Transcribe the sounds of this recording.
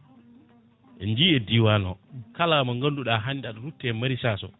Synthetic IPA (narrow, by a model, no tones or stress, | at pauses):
ʔɛnd͡ʒiːɛdiwanɔkalaːmaŋɡanduɗaɦandaɗɾutːɛmaɾisaːsɔ̰